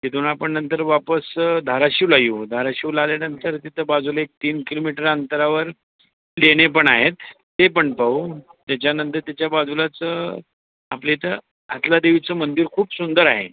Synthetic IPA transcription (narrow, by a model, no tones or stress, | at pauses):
t̪et̪uñapəɳnːənt̪əɾʋapəsd̪ʱaɾaɕiwlajud̪ʱaɾaɕiwlaljanənt̪əɾt̪it̪ʰəbad͡zuləek̚t̪iːnkilomiʈəɾant̪əɾaʋəɾ | leɽ̃ep̬əɳaɦet̪ː | epəɳpaut̪jat͡ɕjanənt̪əɾt̪jat͡ɕjabad͡zulat͡sə | aplet̪ə | a̰t̪lad̪eʋit͡səmənd̪iɾkʰuːpsund̪əɾaɦḛ